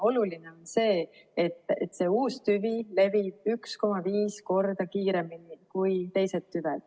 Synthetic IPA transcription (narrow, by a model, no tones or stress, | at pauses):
o̞luline̞o̞nse̞ː | et̪ːˑet̪ːˑse̞uːst̪yvile̞vib̥̚yksko̞mɑviːsko̞rd̪̥ɑkiːɾe̞minikujt̪e̞jse̞t̪ːyvɛd̪̥